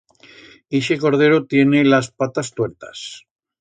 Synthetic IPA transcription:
iʃeko̞ɾð̞e̞ɾot̪je̞nelaspat̪ast̪weɾt̪ḁs

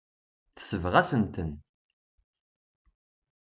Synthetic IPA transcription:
θə̥səvʁæsənt̪ən

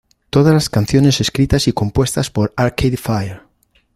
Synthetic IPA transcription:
t̪oð̞azlaskan̟θjone̞se̞skɾit̪asiko̞mpwe̞st̪aspo̞ɾaɾkʰeðfajeɾ

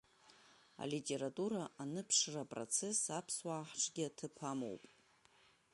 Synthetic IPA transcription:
a̰litʲʼe̞ɾatʼuɾaʔanɨpʰʂrapʼro̰t͡sʰe̞sapʰswaːħʈ͡ʂʰʼɡʲɪatʰɨpʰamo̰wpʼ

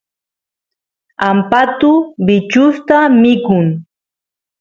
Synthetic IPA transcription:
ampat̪ʊbɪt͡ʃʊst̪amɪkʊŋ

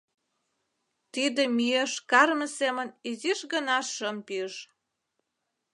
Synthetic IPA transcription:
t̪id̪ĕmyeʃkɑrmə̆seməniziʃɣənɑʃəmpiəʃ

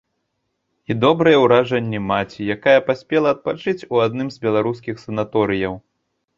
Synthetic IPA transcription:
id̪ɔbɾɨjɛwɾaʐɐnʲːimat͡sʲijakajɐpasʲpʲɛlˠɐɐt̪̚pat͡ʂɨt͡sʲuad̪nɨmzbʲɛlˠaɾus̬kʲixsɐnat̪ɔɾɨjɐw

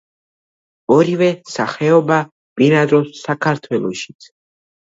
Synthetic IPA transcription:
ɔɾivɛsaχɛɔba | pʼiɾad̪ɾɔsːakʰaɾt̪ʰwɛlˠɔʃi̥t̪sʰ

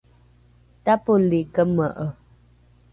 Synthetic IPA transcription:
tapolikəməʔə

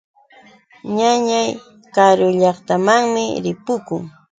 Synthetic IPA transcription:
ɲaɲaj | kaɾʊʎɑχt̪amaŋmɪɾɪpʊkʊŋ

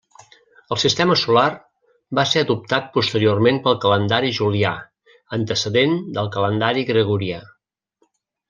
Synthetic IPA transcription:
əlˠsist̪ɛməsular | baseəðup̚t̪at̪̚pust̪əɾiormenpəlˠkələnd̪aɾiʒulia | ənt̪əsəðend̪əlˠkələnd̪aɾiɣɾəɣuɾia

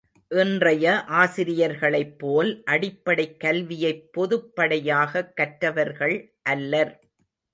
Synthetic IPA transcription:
ʔɪndrɐjɐʔaːsɪɾɪjɐɾɣɐɭɐɪpːoːlʔɐɽɪpːɐɽɐɪkːɐlʋɪjɐɪpːɔðɯpːɐɽɐjaːɣɐkːɐʈɾɐʋɐɾɣɐɭ | ʔɐlːɐɾ

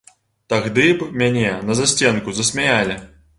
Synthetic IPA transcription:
t̪aɣd̪ɨbmʲanʲɛnɐzasʲt͡sʲɛnkuzɐsʲmʲajalʲi

